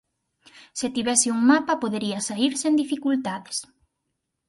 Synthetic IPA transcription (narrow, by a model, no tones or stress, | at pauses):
set̪iβɛsɪuŋmapɐpoðeɾiɐsaiɾsend̪ifikult̪aðɪs